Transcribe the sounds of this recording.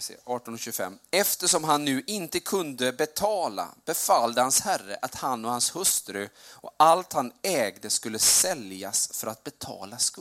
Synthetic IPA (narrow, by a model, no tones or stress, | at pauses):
sḛɑːʈɔnɔɕʉɡəfɛ̰mːɛft̪əʂɔmɦanːʉ̟ːʔɪnt̪əkʰɵnd̪əbɛt̪ʰɑːla̰b̥ɛfalːd̪əhanshærːə̰ʔat̪hanːɔhanshɵst̪ɾɵɔ̰alt̪hanɛːɡd̪əskɵlːəsɛljasfœɾat̪̚bɛt̪ʰɑ̰ːlask